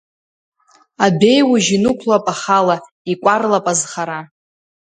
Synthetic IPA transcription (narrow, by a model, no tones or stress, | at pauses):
abe̞jwuʒinukʷʰlapʼaχala | ikʷʼarlapʼazχaɾa